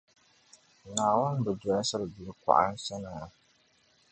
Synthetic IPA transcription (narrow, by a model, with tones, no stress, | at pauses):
naː˨wa˦n˦bɛ˨dɔ˨a˦sa˦ɾbu˨ɾɨ˦ka̰˨ʔa̰˦n̩˦sa˦naː˨